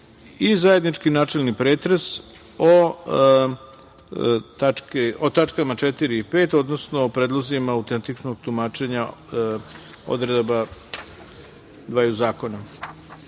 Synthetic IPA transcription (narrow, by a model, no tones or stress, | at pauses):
izajed̪nit͡ʃkinaːt͡ʃelnipɾeːt̪ɾes | o | t̪akeot̪at͡ʃkamat͡ʃet̪iɾiːpeːt̪o̞d̪no̞snoːpɾeːd̪lˠozimaːut̪ent̪it͡ʃnoɡ̚t̪umaːt͡ʃe̞ɲa | o̰d̪ɾed̪ba | d̪ʋaːjuzaːko̞na